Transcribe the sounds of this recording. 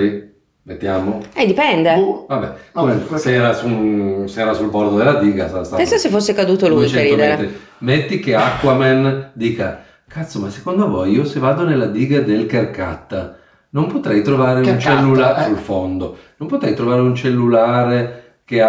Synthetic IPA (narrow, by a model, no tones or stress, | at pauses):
i | met̪ːjaːmoɛd̪ipɛnd̪evabɛkomesɛːɾasusɛːɾasulbord̪od̪elːad̪iːɡasast̪anensasefosːekad̪uːt̪olut͡ʃɛet̪ːɾi | met̪ːikeakːwamɛnd̪iːka | kat̪somasːe̥kond̪ovojiːosevːaːd̪onelːad̪iːɡad̪elkerka̰t̪ːa | nompot̪ɾɛjt̪ɾovaːɾeunt͡ʃɛlːulasulfond̪onompot̪ɾɛjt̪ɾovaːɾeunt͡ʃelːulaːɾe | kea